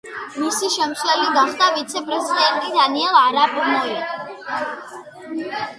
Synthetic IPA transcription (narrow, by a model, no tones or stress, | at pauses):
misiʃɛmt̪slɛliɡaχd̪avit̪sʰɛpʼɾɛzid̪ɛnt̪ʼid̪aniɛlˠaɾapʼmɔi